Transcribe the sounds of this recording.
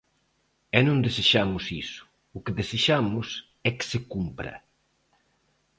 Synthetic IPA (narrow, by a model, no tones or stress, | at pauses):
ɛnõnd̪eseʃamʊsisʊ̥ | ʊkeðeseʃamʊs | ɛksekumpɾɐ̰